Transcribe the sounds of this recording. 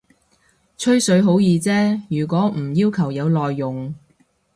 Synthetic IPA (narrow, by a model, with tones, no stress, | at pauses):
t͡ʃʰɵ˥ɥsɵ˨˥ɥɦo˨˥wjiː˨˧t͡sɛː˥jyː˨˩kʷɔː˨˥m̩˨˩jiː˥wkʰɐ˨˩wjɐ˨˧wlɔː˨jːʊ˨ŋ